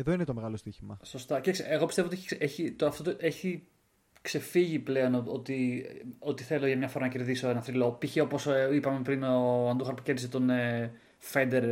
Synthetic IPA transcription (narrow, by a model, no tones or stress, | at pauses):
eðo̞inet̪omeɣɐlo̞st̪içimɐsost̪ɐcekseeɣo̞piste̞oot̪ieçiseçit̪oɐft̪ot̪oʔeçi | kse̞fiʝiple̞o̞no̞t̪io̞t̪iθe̞lo̞ʝɐmɲɐfoɾɐnɐce̞ɾðiso̞enɐθɾilo̞piçeo̞po̞sipɐmepɾinoɐnd̪uxɐɾpu̥ceɾðiset̪one | fe̞nd̪e̞ɾ